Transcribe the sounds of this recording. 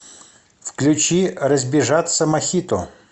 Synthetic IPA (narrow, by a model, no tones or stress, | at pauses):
fklʲʊt͡ɕirəzʲbʲɪʐat̪səmɐxʲit̪ʊ